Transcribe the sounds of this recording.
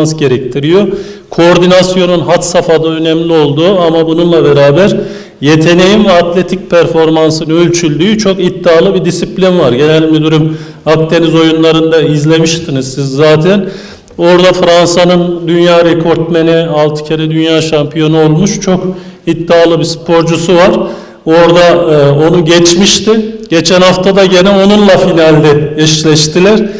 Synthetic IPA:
nsɟe̞ɾɛct̪ʰiɾijo̞kʰooɾd̪inasjo̞nunɦat̪safad̪aø̞nɛmlʲio̞lˠd̪uːamabununlˠabeɾaːbæɾ | je̞t̪ʰe̞ne̞jinvɛat̪ʰlʲe̞t̪ʰic̚pʰæɾfo̞ɾmansɯnølʲt͡ʃʰylʲdyːyt͡ʃʰo̞kit̪ːaːlˠɯbid̪isiplʲinvaɾɟe̞nɛlʲːibid̪uɾym | akt̪ʰe̞nizo̞junlˠaɾɯnd̪aizlʲe̞miʃt̪ʰinɯzsizːaːt̪ʰæn | o̞ɾd̪afɾansanɯnd̪ynjaːɾekʰo̞ɾt̪̚me̞nialˠt̪ʰɯ̥cʰeɾɛd̪ynjaːʃampʰijo̞nuolˠmuʃt͡ʃʰo̞kit̪ːaːlˠɯbispʰo̞ɾd͡ʒusuvaɾ̥ | o̞ɾd̪aonuɟɛt͡ʃmiʃt̪ɪɟ̥e̞t͡ʃʰænhaft̪ʰad̪aɟe̞nɛo̞nunlˠafinalʲd̪ɛɛʃlʲɛʃt̪ʰilʲæɾ̥

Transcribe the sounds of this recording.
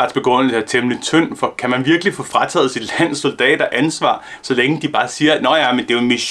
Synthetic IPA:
ɑ̈d̥sb̥e̝ɡ̥ʁɔ̽n̰əl̩səæt͡sʰemlət͡sʰœn̰fɒ̽kʰæmænʋiɐɡ̥lifɔ̽fʁɑt͡sʰɛ̰ːð̞̩ˠsid̥læn̰so̝ld̥ɛ̰ːɾ̥ɐʔænsʋɑ̰̈ː | sɒ̽leŋəd̥ib̥ɑ̈ːsiːɐnɒjæmend̥e̝ʊenmiɕ

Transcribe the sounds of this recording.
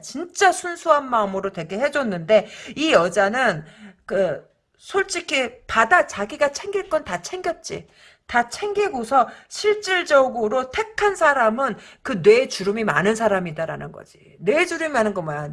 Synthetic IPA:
t͡ɕint͡ɕ͈asʰunsʰuɦanmaɯmɯɾote̞ɡe̞ɦe̞d͡ʑʌnːɯnde̞ijʌd͡ʑanɯnkɯ | sʰoɭt͡ɕ͈ikʰipadat͡ɕaɡiɡat͡ɕʰe̞ŋɡiɭk͈ʌntat͡ɕʰe̞ŋɡjʌt̚t͡ɕ͈ḭ | tat͡ɕʰe̞ŋɡiɡosʰʌɕʰiɭt͡ɕ͈iɭd͡ʑʌɡɯɾotʰe̞kʰansʰaɾamɯnkɯnwe̞t͡ɕuɾɯmimanɯns̬ʰaɾamidaɾa̰nɯnɡʌ̰d͡ʑi | ne̞d͡ʑuɾɯmiɦanɯnɡʌmajan

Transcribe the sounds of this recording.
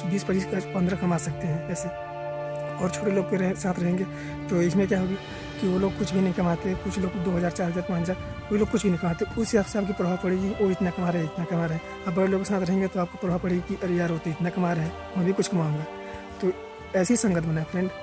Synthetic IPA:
biːspəiskapɐ̃nd̪ɾəkɐmaːsɐk̚t̪eɦɛ̃ːɛːse | ɔːɾt͡ʃʰoːʈeloːɡ̚peɾ̃sãːt̪ʰɾɐɦẽːŋɡeː | t̪oɪsmẽkjaɦoːɡi | kiʋoloːɡ̚kʊt͡ʃʰbʱinɐɦĩkɐmaːt̪ekʊt͡ʃʰloːɡd̪oːɦɐzaːɾt͡ʃaːɾɦəzaːɾpãːt͡ʃzaːɾ | oːiloːɡ̚kʊt͡ʃʰbʱinɐɦĩkɐmaːt̪eʊsafseaːp̚kipɾoapɐɽeɡiʋoɪt̪nakɐmaːɾɦɛ̃ɪt̪nakɐmaːɾɦɛ̃ː | ɐbɐeloːɡsãːt̪ʰɾɐɦẽːŋɡet̪oaːp̚kopɾoːaːpɐɽeɡkiʔɐɾjaːɾɦoːt̪eɪt̪nakɐmaɾɦɛ̃ː | mɛ̃bʱikʊt͡ʃʰkɐmaːõːŋɡaː | t̪o | ɛːsisɐ̃ŋɡət̪ʰbɐnaːepʰɾɛ̃ːɳɖ

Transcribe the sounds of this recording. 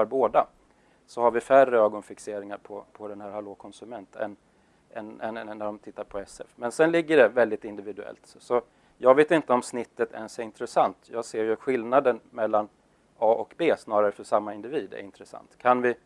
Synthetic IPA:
aɾboːd̪a | sɔhaɾvɪfærːəøːɡɔnfɪkseːɾɪŋaɾpʰɔpʰɔd̪ɛnhæːɾhaloːkʰɔnsɵmɛnt̪ɛ̰nː | ɛnɛnnːæɖɔmt̪ʰɪt̪ːaɾpʰɔɛsɛ̰fmɛnsɛnlɪɡːəɖɛvɛld̪ɪt̪ɪnd̪ɪvɪd̪ɵɛ̰lt̪ | sɔ | jɑːɡveːt̪ɪnt̪əɔmsnɪt̪ːət̪ʰɛ̰nsɛɪnt̪ɾɛsant̪jɑːɡseːɾjɵɧɪlnad̪ənmɛlːan | ɑːʔɔkbeːsnɑːɾaɾəfœʂamːaɪnd̪ɪviːd̪æ̰ɾɪnt̪ɾɛsa̰nt̪kʰanvɪ

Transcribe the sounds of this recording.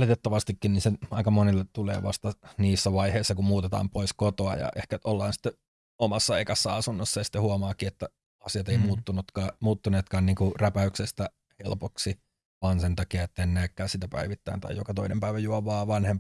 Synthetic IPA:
lit̪et̪ːɑʋɑst̪ikːinninseɑikɑmonilːet̪tulḛːʋɑ̰st̪ɑniːsːæʋɑiheisːɑkummuːt̪et̪ɑ̰ːmpoiskot̪oɑ̰jɑ̰ʔehkæolːɑːnsi̥t̪ːe | omɑsːɑḛikɑsːɑɑsunːosːɑjɑsi̥t̪ːehuɑmɑːkiet̪ːæ | ɑsiɑt̪eimuːt̪ːunut̪kɑːmuːt̪ːuneːt̪kɑːnniːŋkuræpæyksest̪æ | hḛlpoksi | ʋɑːnsent̪ɑkiɑet̪ːæenːæːkːæːsit̪æpæ̰iʋit̪ːæint̪ɑ̰ijokɑt̪oinḛmpæiʋæjuɑʋɑːʋɑnhemp

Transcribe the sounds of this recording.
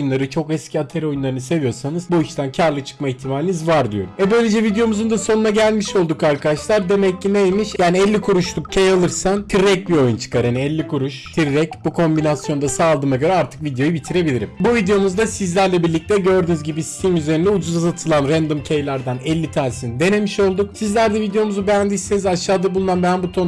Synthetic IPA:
junlˠaɾɯt͡ʃʰo̞kɛscʰiat̪ʰe̞ɾɛo̞junlˠaɾɯnɯse̞vijo̞ɾsanɯzbuiʃt̪ʰæncʰaɾlˠɯt͡ʃʰɯ̥k̚maiçt̪ʰimaːlʲinizvaɾd̪ijo̞ɾuvɛbøjlʲe̞d͡ʒɛvid̪ejo̞muzund̪aso̞nunaɟælʲmiʃo̞lˠd̪ukaɾkʰad̪aʃlˠaɾd̪e̞mɛcːinejmiʃjaːniɛlʲːikʰuɾuʃlˠuk̚cʰejalˠɯɾsant̪ʰiɾːɛc̚bio̞junt͡ʃʰɯ̥kaɾhaniɛlʲːikʰuɾuʃt̪ʰiɾːɛcbukʰo̞mbinasjo̞nd̪asaːlˠd̪ɯːmaɟø̞ɾɛaɾt̪ʰɯ̥kvid̪ejo̞jubit̪ʰiɾe̞bilʲiɾimbuvid̪ejo̞muzd̪asizlʲæɾlʲɛbiɾlʲic̚t̪ʰɛɟø̞ɾd̪ynyzɟibisi̥t̪ʰimyze̞ɾind̪ɛud͡ʒuzazat̪ʰɯlˠanɾænd̪ɯmcʰejlʲæɾd̪anɛlʲːit̪ʰænsind̪e̞ne̞miʃo̞lˠd̪uk̚sizlʲæɾd̪ɛvid̪ejo̞muzubænd̪iisenizaʃːaːd̪abulˠunanbænbut̪ʰon

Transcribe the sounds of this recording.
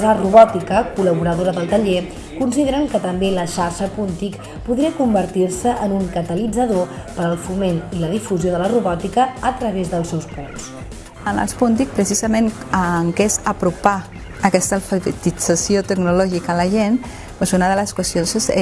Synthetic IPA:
zəruβɔt̪ikəkuləβuɾəðoɾəðəlˠt̪əʎe | kunsiðeɾəŋkət̪əmbeləʃaɾʃəpunt̪ik | puðɾiəkumbəɾt̪iɾsəʔənuŋkət̪əlid͡zəðopəɾəlˠfumeniləðifuzjoðələruβɔt̪ikəːt̪ɾəβezðəlˠsɛwspuns | ənə̰lˠspunt̪̬ik̚pɾəsizəmenəŋkezəpɾupa | əkɛst̪əlˠfəβət̪id͡z̥əsiot̪əɡnulɔʒikələʒen | pozunəðələskwəst̪ijonss

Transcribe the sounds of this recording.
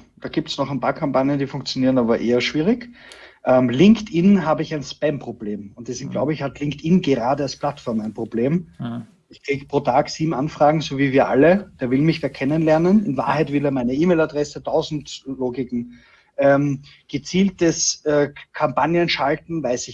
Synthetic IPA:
d̥aːɡiːp̚təsnɔχɛɪnpʰaːɐkʰampanjəndiːfʊ̃ŋk̚t͡sjoniːʁənaːbɐʔeːɐʃv̥iːʁɪkʔɛmlɪŋktʔɪnɦaːbəɪçæɪnspɛmpʁ̥obleːmʊnt̚d̥ɛsɪnt̚ɡ̥laʊbəɪçhatlɪŋktɪnɡəʁaːdəalspʰlatfɔɐmæɪnpʁ̥obleːm | ɪçkʁ̥iːɡəpʁ̥oːtʰaːksiːbm̩ʔanfʁ̥aːɡŋ̩zoviːviːɐʔa̰ləd̥eːɐvɪlmɪçd̥aːɐkʰɛnənlɛɐnənɪnva̰ːɐhæɪtv̥ɪleɐmaɪnəiːmeːladʁɛsətʰaʊzn̩tloːɡɪkŋ̩ | ʔɛːm | ɡ̥ət͡siːlt̚dəsɛːkʰampanjənʃaltn̩vaɪsɪ

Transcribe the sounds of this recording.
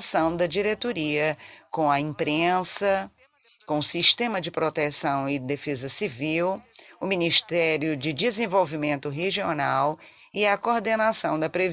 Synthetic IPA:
sɐ̃w̃d̪ɐd͡ʒiɾet̪oɾiɐkõɐĩpɾẽsɐ | kõʊsiʃt̪ẽmɐd͡ʒɪpɾot̪esɐ̃w̃ɪd̪efezɐsiviwʊminiʃt̪ɛɾjʊd͡ʒɪd͡ʒɪzẽvowvimẽnt̪ʊɦeʒionaw | ɪɐkoɾd̪enasɐ̃w̃d̪ɐpɾev

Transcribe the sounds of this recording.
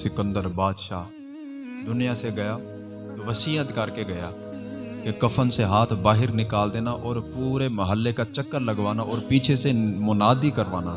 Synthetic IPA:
sɪkə̃nd̪əɾbaːd̪ʃaː | d̪ʊnijaseɡɐja | t̪oʋəsiːəd̪ʱɪkaːɾkeɡɐja | kekɐfʰənseɦaːt̪ʰbaːɦɪɾnɪkaːld̪eːnaʔɔːɾpuːɾemɐɦəlːekat͡ʃɐkːəɾlɐɡʋaːnaʔɔːɾpiːt͡ʃʰesemʊnaːd̪ikəɾʋaːna

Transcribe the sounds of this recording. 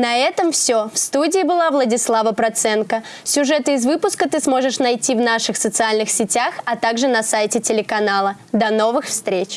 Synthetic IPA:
nɐɛt̪əmfsʲofst̪udʲɪːbɨlˠavlˠədʲɪslˠavəpɾɐt̪sɛnkə | sʲʊʐɛt̪ɨɪzvɨpʊskət̪ɨsmo̞ʐɨʂnɐjtʲivnaʂɨxsət̪sɨalʲnɨxsʲɪtʲaxɐt̪aɡʐɨnɐsajtʲɪtʲɪlʲɪkɐnalˠəd̪ɐno̞vɨxfst̪ɾʲet͡ɕ

